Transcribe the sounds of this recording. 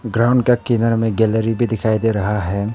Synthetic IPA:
ɡɾaːʊɳɖ̚kakiːnəɾmẽɡɛːləɾibʱid̪ɪkʰaːid̪eɾɐɦaɦɛː

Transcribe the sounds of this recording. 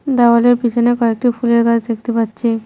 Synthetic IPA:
d̪awaleɾbid͡ʑonekɔek̚ʈipʰuleɾɡad͡ʑd̪ek̚ʰt̪epatːɕʰi

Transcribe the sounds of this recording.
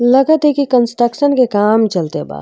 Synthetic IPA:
lɐɡət̪ekikə̃nsʈɾəkʃənkekaːmt͡ʃɐlt̪eba̰ː

